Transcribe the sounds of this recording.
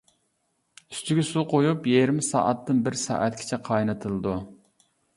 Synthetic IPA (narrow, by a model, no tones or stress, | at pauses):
y̥st̪yɡʲɛsuqʰojupjeɾɪmɪsɑ̰ːʔɑt̪ːɨnbɪɾsɑ̰ːʔɛt̪kʲʰi̥t͡ʃʰɛqʰɑjnɨt̪ʰɨlˠɨd̪u